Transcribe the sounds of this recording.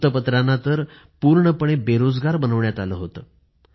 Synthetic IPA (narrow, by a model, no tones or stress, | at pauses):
t̪əpət̪ɾanːat̪əɾ | puɾɳəpəɳ̃ebeɾod͡zɡaɾbənəʋɳjat̪aləːɦot̪əː